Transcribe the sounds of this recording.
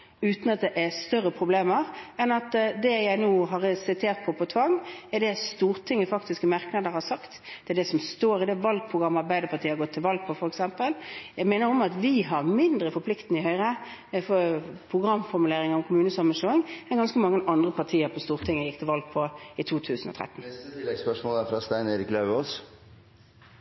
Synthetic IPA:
ʉːt̪n̩ɑt̪̚d̪ɛʔæst̪œɾːəpʰɾʊbleːməɾɛnɑt̪d̪ɛjæɪnuːɦɑɾsɪt̪ʰeːɾt̪̚pʰɔpʰɔt̪ʰʋɑŋːɛɖɛst̪uːɾt̪ʰɪŋːəfɑkt̪ɪskəmɑɾknɑd̪əɾhɑɾsɑkt̪d̪̥ɛæɖ̪ɛsɔmst̪oːɾɪd̪ɛʋɑlɡ̚pʰɾʊɡʁɑmːəɑɾbæɪd̪əpɑt̪iːəɾɡɔt̪ʰːɪlʋɑlɡ̚pʰɔfɔɾɛksɛmpəljæɡmæːnəɾɔmɑt̪ʋɪɦɑɾmɪnd̪ɾəfɔpʰlɪkt̪ənəɪhœʏɾə | fɔpʰʁʊɡɾɑmːfɔɾmʉleːɾɪŋəɾɔmkʰʊmʉːnəsɔməʃoːɪŋɛnɡɑnskəmɑŋːənʔɑnd̪ʁəpʰɑʁt̪ʰiːəɾpʰɔst̪uːʁt̪ʰɪŋːəjɪkt̪ʰɪlʋɑlɡ̚pʰɔɪt̪ʰuːt̪ʰʉːsənɔ̰t̪ʰɾɛ̰t̪ːn̩ɪɛɡspœʂmoːlæfɾɑːst̪æɪneːɾɪklɑʉoːs

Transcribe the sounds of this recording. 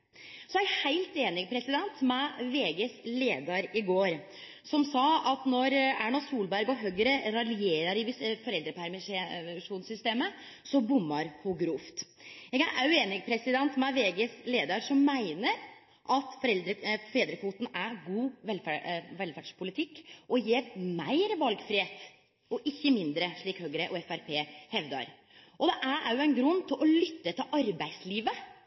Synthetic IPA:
sɔæhæɪlt̪eːnɪɡpʰɾɛsɪd̪ɛnt̪mɛʋeːɡəsleːd̪ɑɾɪɡoːɾ | sɔmsɑːɑt̪nɔɾæɳɑsuːlbæɾɡɔɦœɡəɾəɾɑlɪeːɾɑɾɪʋfɔɾɛld̪ɾəpʰæɾmɪʂuːnsʏst̪eːmə | sɔbʊmːɑɾhuɡɾuft̪ | jɛːɡæʔɑʉeːnɪɡpʰɾɛsɪd̪ɛnt̪mɛʋeːɡəsleːd̪əɾʂɔmːæɪnəɾ | ʔɑt̪fɔɾɛld̪ɾəfɛd̪ɾəfuːt̪n̩æɾɡuːʋɛlfæʋɛlfæɖʂpʰʊlɪt̪ʰɪkːʔɔjeːɾmæɪɾəʋɑlɡfɾɪheːt̪ | ɔʔɪçːəmɪnd̪ɾəʂɭiːkhøːɡɾəʔɔɛfæɾpʰeːhɛʋd̪ɑ̰ɾ | ʔɔd̪ɛʔæɾæ̰ɾjʊɛnɡɾʉnːt̪ʰɪlʔɔlʏt̪ːət̪ʰɪlʔɑɾbæɪsliːʋə

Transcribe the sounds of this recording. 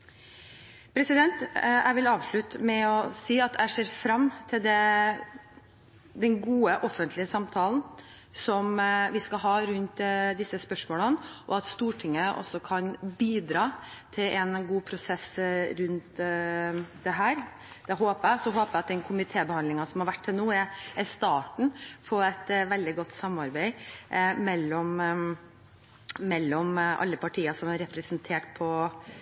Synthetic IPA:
pʰɾɛsɪd̪ɛnt̪ʔæ̰ɪʋɪlɑːʋʂɭʉt̪mɛɔsiːɑt̪æɪʂeːɾfɾɑmːt̪ʰɪld̪ɛ | d̪ɛnɡuːəʔɔfənt̪ʰlɪəsɑmt̪ʰɑːln | sɔmʋɪskɑlɦɑːɾʉnt̪d̪ɪsːəspœʂmoːlənʔɔɑt̪st̪uːʈʰɪŋːəʔɔ̰sɔkʰɑnbiːd̪ɾɑːt̪ʰɪlʔɛnɡuːpʰɾʊsɛsɾʉnt̪ | d̪ɛɦæːɾ | d̪̥ɛɦoːpəæɪsɔɦoːpæɪɑt̪̚d̪ɛnkʰʊmɪt̪ʰeːbəhɑnd̪ɪŋɑsɔmhɑɾʋæʈ̚t̪ʰːɪlnuːɛɾɛst̪ɑːʈɳ̩fʰɔɛt̪ʋɛld̪ɪɡɔt̪ːsɑmːɑɾbæɪmɛlːɔm | mɛlːɔmʔɑ̰lːəpʰɑʈʰiːəsɔmæɾɛpɾɛsnt̪ʰeːʈpʰɔ

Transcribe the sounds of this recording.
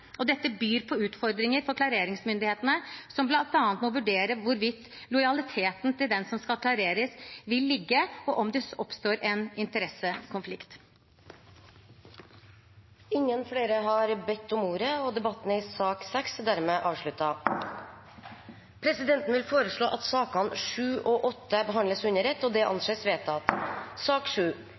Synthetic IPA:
ɔd̪ɛt̪ːəbyːɾpʰɔʉːt̪fɔɾd̪ɾɪŋəɾfɔɾkʰlɑɾeːɾɪŋsmʏnd̪ɪheːt̪ənəsɔmblɑnt̪ɑːnnt̪mɔʋʉɖeːɾəʋʊɾʋɪt̪ː | lɔʏjɑlɪt̪ʰeːt̪nt̪ɪld̪ɛnsɔmskɑlkʰlɑɾeːɾəsʋɪlːɪɡːəɔʔɔmd̪ɛɔpst̪oːɾʔɛnɪnt̪əɾɛsəkʰʊnflɪkt̪ | ɪŋːənfɽeːɾəɦɑɾbɛt̪ʰːʊmuːɾəɔd̪ɛbɑt̪ːənəɪsɑːksɛksd̪æːɾmeːʔɑːʋʂɭʉt̪ɑ | pʰɾɛsɪd̪ɛnt̪n̩ʋɪlfoːɾəʂɭoːʔɑt̪sɑːkɑnʂʉːʔɔːʔɔt̪ːəbəɦɑnd̪ləsʉnəɾɛt̪ːɔːd̪ɛʔɑ̰nseːsʋeːt̪ʰɑt̪sɑːkʂʉː

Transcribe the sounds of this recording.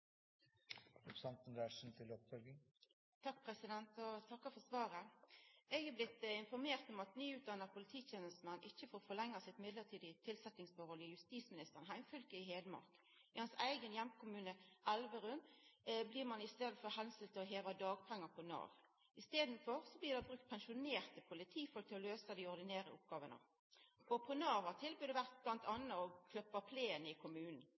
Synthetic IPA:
ʊpsɑnt̪nd̪æʂn̩t̪ʰɪlɔpfœlɡɪŋ | t̪ʰɑk̚pʰʁɛsɪd̪ɛnt̪ɔt̪ʰɑkːɑfɔʁsʋɑːʁə | ɛɡɑblɪt̪ːɪnfɔʁmeːʁt̪ɔmɑt̪nyːʉːt̪̚d̪ɑnːəʁpʰʊlɪt̪ʰiːt̪ʰjeːnəst̪mɛnːʔɪçːəfoːʁfɔʁlɛŋːɑsɪt̪mɪd̪ləʁt̪ʰiːd̪ɪt̪ʰɪlsɛt̪nɪŋsfɔɾhɔlɪjʉst̪iːsmɪnɪst̪əʁənɦæɪmfʏlkəɪheːd̪əmɑ̰ʁk | ɪhɑnsæɪɡənjɛmkʰʊmʉːnəʔɛlʋəʁʉnbliːʁmɑnɪst̪eːd̪əfɔʁhɛnsəlt̪ʰɪlɔɦeːʋɑd̪ɑːɡpʰɛŋːɑpʰɔnɑ̰ːʋ | ɪst̪eːd̪nfɔʁsɔbliːʁd̪ɑbʁʉkt̪̚pʰɛnʃʊneːʁt̪əpʰʊlɪt̪ʰiːfɔlk̚t̪ʰːɪlɔløːsəd̪ɪɔʁd̪ɪneːɾə̰ʊp̚ɡɑːʋənə̰ | ʔɔpʰɔnɑːʋɑt̪ʰɪlbyːd̪ɛʋæʁt̪̚b̥lɑnt̪ʰɑnəɔkʰlœpːɑpʰleːənəɪkʰʊmʉːnn̩

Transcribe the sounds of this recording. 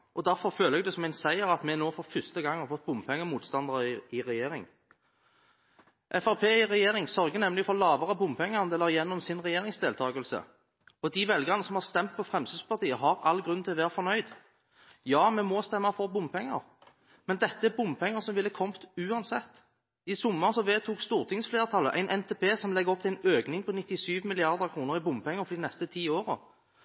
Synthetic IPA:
ʔɔd̪æɾfɔɾføːləɛɡd̪ɛːsɔmɛɪnsæɪəɾɑt̪mɛnoːfɔɾfʏst̪əɡɑŋhɑɾfɔt̪̚bʊmpʰɛŋːəmuːt̪st̪ɑnd̪əɾəɪɪɾɛjeːɾɪŋ | ʔɛfɑʁpʰeːɪɾɛjeːɾɪŋsœɾɡənɛmlɪɡfɔɾlɑːʋɑʁəbʊmpʰɛŋːəʁnd̪ɛlːəʁɪjɛnːɔmsɪnʁɛjeːɾɪŋsd̪eːlt̪ʰɑːɡəlsə̰ | ɔd̪ɪʋɛlɡɑʁnəsɔmhɑʁst̪ɛmt̪̚pʰɔfʁɛmsʉspɑʁt̪ʰiːəɦɑɾɑlːɡɾʉnt̪ʰɪlʋæːɾfɔɾnœʏd̪ | jɑːmɛmɔst̪ɛmːɑfɔʁbʊmpʰɛŋːə̰ʁ | mɛnd̪ɛt̪ːəɛbʊmpʰɛŋːəsɔmʋɪlːəəkʰɔmt̪ʉːɑnsɛt̪ː | ɪsʊmːəʁnsɔʋeːt̪ʰuːkst̪uːʁt̪ʰɪŋsfleːʁt̪ʰɑlːə̰ʔæ̰ɪnʔɛnt̪ʰeːpʰeːsɔmlɛɡɔp̚ːt̪ʰæɪnøːknɪŋpʰɔnɪt̪ːɪsyːʋmɪlɪɑʁd̪əʁkʰʁuːnəʁɪbʊmpɛŋːəʁfɔd̪ɪnɛst̪ət̪ʰiːoːʁə̰

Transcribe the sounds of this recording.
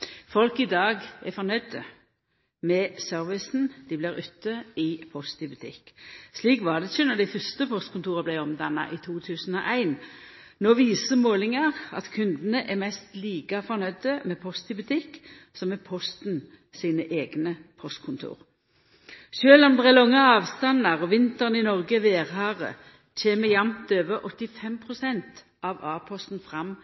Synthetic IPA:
fɔlkɪd̪ɑːɡɛfɔʁnœʏd̪ə | mɛsøːɾʋɪsn̩d̪̥ɪbliːɾʉt̪ːəɪpʰɔst̪ɪbʉt̪ʰɪ̰kːsliːkʋɑd̪ɛçənɔd̪æɪfœst̪əpʰɔst̪̚kʰʊnt̪uːʁəblæɪɔmd̪ɑnːɑ̰ʔit̪ʰuːt̪ʰʉːsən̩ɔ̰ːʔæɪn | noːʋiːsəʁmoːlɪŋɑʁɑ̰t̪kʰʉnd̪ənəʔɛɾmɛst̪liːkɑfɔɾnœʏd̪əmeːpʰɔst̪ɪbʉt̪ʰɪkː | sɔmɛpʰɔst̪n̩ | siːnəʔeːɡnəpʰɔst̪̚kʰʊnt̪ʰṵːʁ | ʃøːlɔmd̪ɛʁɛlɔŋːəɑːʋst̪ɑnɑʁɔʋɪnt̪əʁnɪnɔʁɡəʋeːʁhɑːʁə̰ | t̪ʰeːməjɑmt̪øːʋəɾʔɔt̪ːɪfɛmpʰʁʊsɛnt̪ | ɑʋɑːpʰɔst̪n̩fʁɑm

